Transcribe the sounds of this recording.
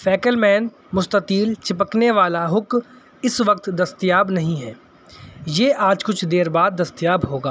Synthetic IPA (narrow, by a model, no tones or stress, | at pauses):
fɛːkəlmɛːn | mʊst̪ətiːlt͡ʃɪpəkneʋaːlaɦʊk | ɪsʋɐk̚t̪d̪ɐst̪ijaːbnɐɦĩɦɛː | jeːʔaːd͡ʒkʊt͡ʃʰd̪eːɾbaːd̪̚ːɐst̪jaːbɦoːɡaː